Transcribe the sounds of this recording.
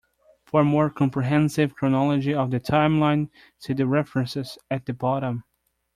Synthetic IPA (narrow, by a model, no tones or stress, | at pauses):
fə˞mɔɹkʰɑ̃mpɹiɦɛ̃nsɪvkʰɹ̥ɨnɑlˠəd͡ʒiʌvðɨtʰãɪ̃mlãɪ̃n | tʰɨðɨɹɛfɹɨ̃nsɪz̥ɨt̪̚ðɨbɑɾə̃m